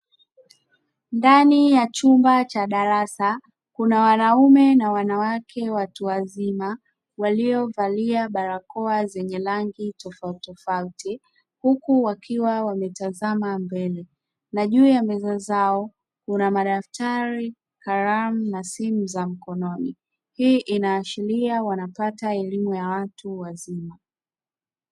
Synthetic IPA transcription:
ndanijat͡ʃumbat͡ʃaɗaɾasa | kunawanaumɛnawanawakʰɛwatuwazima | waliɔvaliaɓaɾakɔazɛɲɛlaŋɡitɔfatɔfauti | hukuwakʰiwawamɛtazamambɛlɛ | naʄuːjamɛzazaɔ | kunamaɗaftʰaɾi | haɾam̩nasimuzam̩kɔnɔni | hiːʔinaːʃiliawanapataɛlimujawatuwazima

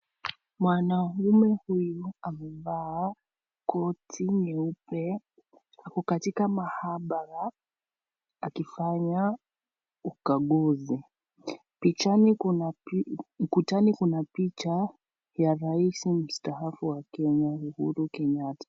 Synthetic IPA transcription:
mwanaumɛhujuamɛvaː | kɔtʰiɲɛupɛ | hakɔkatikamahaɓaɾa | akifaɲa | ukaɠuzi | pit͡ʃanin | m̩kutanikunapit͡ʃa | jaɾaisim̩staɦafuwakɛɲauhuɾukɛɲatḁ

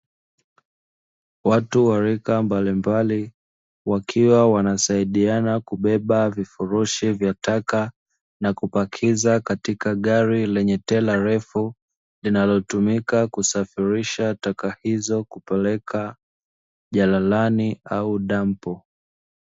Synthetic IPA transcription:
watuwaɾikambalimbali | wakʰiwawanasaiɗianakuɓɛɓavifuɾuʃivjataka | nakupakʰizakatikaɠaɾilɛɲɛtɛlaɾɛfu | linalɔtumikakusafiɾiʃatakahizɔkupɛlɛka | ʄalalaniauɗam̩pɔ

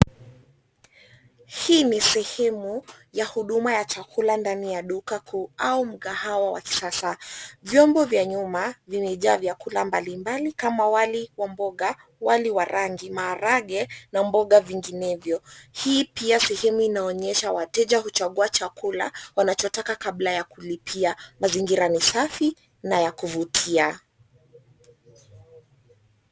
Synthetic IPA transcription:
hiːnisɛhɛmujahuɗumajat͡ʃakʰulandanijaɗukakʰuaum̩ɠahawawa̰ki̥sasavjɔmbɔvjaɲumavimɛʄaːvjakulambalimbalikamawaliwambɔɠa | waliwaɾaŋɡimaːɾaɠɛnambɔɠaviŋɡinɛvjɔhiːpiasɛhɛmuinaɔɲɛʃawatɛʄahut͡ʃaɠuat͡ʃakula̰wanat͡ʃɔtakakaɓlajakulipʰiamaziŋɡiɾanisafi | najakuvutʰia

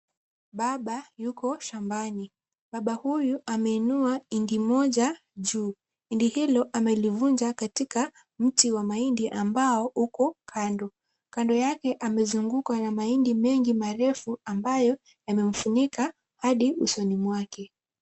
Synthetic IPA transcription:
ɓaɓajukɔʃambani | ɓaɓahujuʔamɛinuaindimɔʄa | ʄuː | indihilɔʔamɛlivuɲd͡ʒakatika | m̩tiwamaindiʔambaɔukɔkʰandɔ | kandɔjakɛʔamɛzuŋɡukanamaindimɛŋɡimaɾɛfuambajɔ | jamɛm̩funika | haɗiusɔnimwakɛ

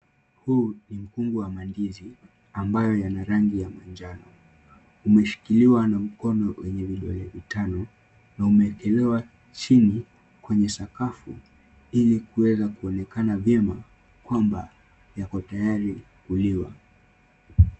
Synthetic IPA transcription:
huːnim̩kuŋɡuwamandizi | ambajɔjanaɾaŋɡijamand͡ʒanɔ | umɛʃi̥kiliwanam̩kɔnɔwɛɲɛviɗɔlɛvitanɔ | naumɛkɛlɛwa | t͡ʃini | kwɛɲɛsakafṵ | ilikuwɛzakuɔnɛkanavjɛma | kwamba | jakɔtajaɾi | kuliwa̰

